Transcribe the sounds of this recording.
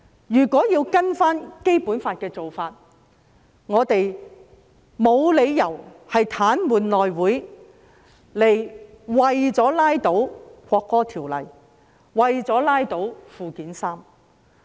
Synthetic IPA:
jyː˨˩kʷɔː˨˥jiː˧wkɐ˥nfaː˥nke˥jpuː˨˥nfaː˧t̚kɛː˧t͡so˨wfaː˧t̚ | ŋɔː˨˧t̪e˨j | mo˨˧wle˨˧jjɐ˨˩whɐ˨jt̪ʰaː˨˥nmuː˨˩nlɔː˨jwuː˨˥j | le˨˩j | wɐ˨jt͡sɔː˨˥laː˥jt̪o˨˥wkʷɔː˧kːɔː˥t̪ʰiː˨˩wlɐ̰˨˩j | wɐ˨jt͡sɔː˨˥laː˥jt̪o˨˥wfuː˨˧kiː˨˥nsaː˥m

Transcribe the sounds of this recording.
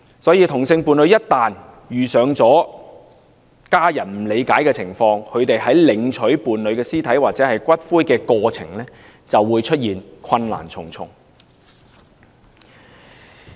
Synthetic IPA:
sɔː˨˥jiː˧t̪ʰʊ˨˩ŋsɪ˧ŋpuː˨nlɵ˨˧ɥjɐ˥t̚t̪aː˨n | jyː˨˩sœː˨˧ŋt͡sɔː˨˥ | kaː˥jɐ˨˩nm̩˨˩le˨˧jkaː˨˥jkɛː˧t͡sʰɪ˨˩ŋfɔː˧ŋkʰɵ˨˧ɥt̪e˨jhɐ˨˥jlɪ˨ŋt͡ʃʰɵ˨˥ɥpuː˨nlɵ˨˧ɥkɛː˧siː˥t̪ʰɐ˨˥jwaː˨˩t͡sɛː˨˥hɐ˨jkʷɐ˥t̚fuː˥jkɛː˧kɔː˧t͡sʰɪ̰˨˩ŋlɛː˥ | t͡sɐ˨wːuː˨˧jt͡ʃʰɵ˥t̚jiː˨nkʰɐ˧nla̰ː˨˩nt͡sʰʊ̰˨˩ŋt͡sʰʊ̰˨˩ŋ

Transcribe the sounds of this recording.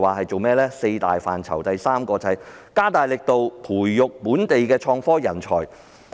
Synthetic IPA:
waː˨hɐ˨jt͡so˨wmɛː˥lɛː˥se˧jt̪a̰ː˨jfa̰ː˨nt͡sʰɐ̰˨˩wt̪ɐ˨jsaː˥mkɔː˧t͡sɐ˨ɐ˨jkaː˥t̪aː˨˩jlɪ˨k̚t̪o˨wpʰuː˨˩jːʊ˨k̚puː˨˥nt̪e˨jkɛː˧t͡ʃʰɔː˧ŋfɔː˥jɐ˨˩nt͡ʃʰɔː˨˩j

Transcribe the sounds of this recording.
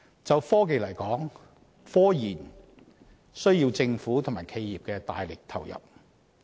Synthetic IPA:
t͡sɐ˨wfɔː˥k̬e˨˧jlɐ˨˩jkɔː˨˥ŋ | fɔː˥jiː˨˩n | sɵ˥ɥjiː˧wt͡sɪ˧ŋfuː˨˥t̪ʰʊ˨˩ŋmaː˨˩jkʰe˧jːiː˨p̚kɛː˧t̪aː˨jlɪ˨k̚t̪ʰɐ˨˩wjɐ̰˨p̚

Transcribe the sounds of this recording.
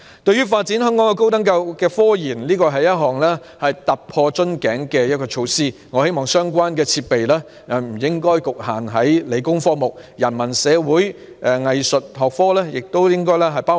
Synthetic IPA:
t̪ɵ˧ɥyː˥faː˧t̚t͡siː˨˥nhœ˥ŋkɔː˨˥ŋɔ˧ko˥wt̪ɐ˥ŋka˧wkɛː˧fɔː˥jiː˨˩nliː˥kɔː˧ɦɐ˨jɐ˥t̚ɦɔː˨˩ŋlɛː˥ | hɐ˨jt̪ɐ˨p̚pʰɔː˧t͡ʃɵ˥nkɛː˨˥ŋkɛː˧jɐ˥kɔː˧t͡ʃʰo˨˧wsiː˥ŋɔː˨˧he˥jmɔː˨ŋsœː˥ŋkʷwaː˥nkɛː˧t͡sʰiː˧t̚pe˨jlɛː˥ | ɛ˨m̩˨˩jɪ˥ŋkɔː˥jkʊ˨k̚haː˨˩nɦɐ˨˥jle˨˧jkʊ˥ŋfɔː˥mʊ˨k̚jɐ˨˩nmɐ˨˩nsɛː˨˧wuː˨˥j | ʔɛ˨ŋɐ˨jsɵ˨t̚ɦɔː˨k̚fɔː˥lɛː˥jɪ˨k̚t̪o˥wjɪ˥ŋkɔː˥jlɛː˥ɦɐ˨˩jpaː˥

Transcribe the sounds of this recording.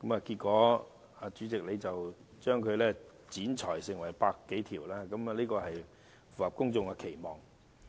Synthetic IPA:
kɐ˨˥mɐː˨ki˧t̚kɔː˨˥ | aː˧t͡ʃyː˨˥t͡sɪ˨k̚le˨˧jt͡sɐ˨w | t͡ʃœː˥ŋkʰɵ˨˧ɥlɛː˥ | t͡siː˨˥nt͡ʃʰɔː˨˩jsɪ˨˩ŋwɐ˨˩jpaː˧kːe˨˥jt̪ʰiː˨˩wlaː˥kɐ˨˥m˨liː˥kɔː˧hɐ˨j | fu˨˩ɐ˨p̚kʊ˥ŋt͡sʊ˨˧ŋa˧kʰe˨˩jmɔː˨˩ŋ

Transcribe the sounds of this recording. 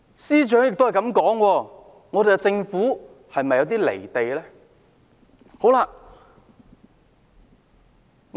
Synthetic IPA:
siː˥t͡ʃœː˨˥ŋjɪ˨k̚t̪hɐ˨jkɐ˨˥mkɔː˨˥ŋwɔː˧ | ŋɔː˨˧d̪e˨jkɛ˧t͡sɪ˧ŋfuː˨˥ | hɐ˨jmɐ˨jːɐ˨˧wt̪̬iː˥lḛ˨˩jt̪e˨jlɛː˥ | ho˨˥wlaː˧

